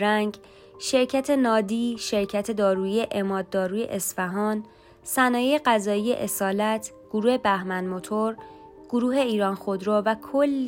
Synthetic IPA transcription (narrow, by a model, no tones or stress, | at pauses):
ɾæŋɡ | ʃe̞ɾcʰæt̪ʰe̞nɒːd̪iːʃe̞ɾcʰæt̪ʰe̞d̪ɒːɾuːie̞ʔemɒːd̪̚ːɒːɾuːje̞̰ʔesfæɦɒːn | sænɒːjejeɢæzɒːije̞̰ʔesɒːlæt̪ʰ | ɡ̥oɾuːhe̞bæhmænmo̞t̪ʰoɾɡ̥oɾuːɦe̞iːɾɒːnxo̞d̪ɾoːvækʰolː